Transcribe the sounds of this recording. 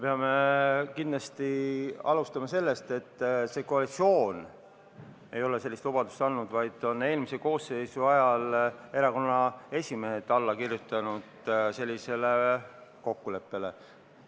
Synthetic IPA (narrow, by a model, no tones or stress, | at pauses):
peɑme̞kind̪lɑst̪iɑ̰lust̪ɑmɑse̞lːe̞st̪e̞t̪ːse̞koɑlit̪sio̞ːn | e̞jo̞le̞selːist̪lubɑd̪̥ust̪ɑnːud̪vɑjd̪̥o̞ne̞ːlmiseko̞ːse̞jsuɑjɑle̞ɾɑko̞nːɑe̞sʲime̞hed̪ɑlːɑkirjut̪ːˑɑnud̪̥se̞lʲːise̞leko̞kːule̞pːe̞le̞